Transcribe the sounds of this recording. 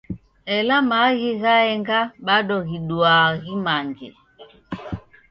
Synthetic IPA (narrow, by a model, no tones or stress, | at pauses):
ɛlamaɣiɣaɛŋɡaɓaɗɔɣiɗuaɣimaŋɡḛ